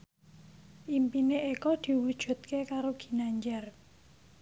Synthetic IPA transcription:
ʔimpineʔekɔd̪̥i̤wud̥ʒ̥ṳt̪̚kekaɾoɡ̥i̤naɲd͡ʒɛr

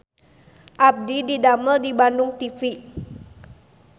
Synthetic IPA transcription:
ʔab̚dididaməldibandʊŋt̪ifi

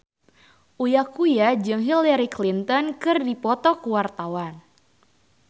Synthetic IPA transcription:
ʔujakujad͡ʒɨŋɦilaɾiklint̪ɔnkɨrdipɔt̪ɔkuwart̪awan

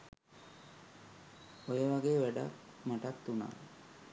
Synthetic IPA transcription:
ojəʋaɡeːʋæɖa̰kmaʈat̪ːuna̰ː

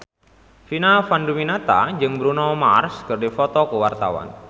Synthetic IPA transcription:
finafanduminat̪a̰d͡ʒɨŋbɾunɔmarskɨrdifɔt̪ɔkəwart̪a̰wa̰n

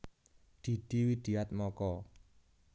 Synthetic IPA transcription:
d̪̥i̤d̪̥i̤wid̪̥i̤at̪̚mɔkɔ

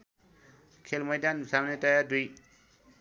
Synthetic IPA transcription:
kʰelmʌjdansamnetajaduj

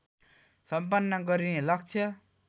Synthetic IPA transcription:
sʌmpʌnːʌɡʌɾinelaɡ̚t͡sʰʌ

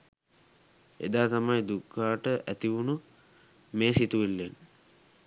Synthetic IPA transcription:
ḛd̪aːt̪amajd̪ukʰːaːʈəʔæt̪iunu | meːsit̪uʋilːen

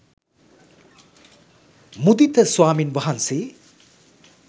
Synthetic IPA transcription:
mud̪it̪ɐswaːminbɐɦɐnse

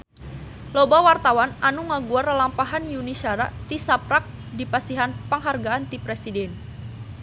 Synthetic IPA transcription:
lobawart̪awanʔanuŋaɡuarlampaɦanjunisaɾaʔt̪isapɾak̚dipasiɦanpəŋɦarɡaant̪ipɾesidɛn

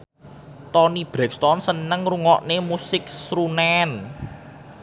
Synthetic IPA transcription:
t̪ɔnib̥ɾɛkst̪ɔnsənəŋruŋɔʔnemusɪk̚sɾunɛn

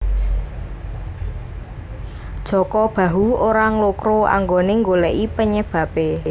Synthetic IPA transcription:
d̥ʒ̥ɔ̤kɔb̥ä̤ɦuoɾaŋlokɾoa̰ŋɡoneŋɡolɛʔipəɲəb̥ä̤pe

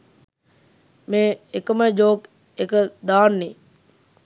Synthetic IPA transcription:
meːekəməd͡ʒoːk | ekəd̪aːnːe

